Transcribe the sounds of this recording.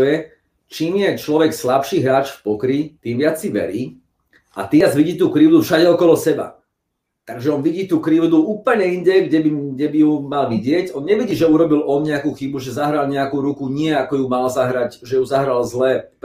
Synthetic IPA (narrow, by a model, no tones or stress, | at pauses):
jɛ | t͡ʃiːmjɛt͡ʃlɔʋɛkslapʃiːɦɾaːt͡ʃfpɔkɾit̪iːmʋɪat͡sːiʋɛ̰ɾiː | ʔa̰t̪iːd͡zʋiɟiːt̪uːkɾiʊd̪ufʃaɟɛɔkɔlɔsɛba̰ | t̪aɡʒɛɔnʋiɟiːt̪uːkɾiʊd̪uuːpl̩ɲɛinɟɛɡɟɛbiɡɟɛbijumalʋiɟɪɛcɔnɲɛʋiɟiːʒɛuɾɔbilɔnɲɛakuxibuʒɛzaɦɾalɲɛakuːɾukuɲɪɛakɔjumalzaɦɾac | ʒɛjuzaɦɾalzlɛ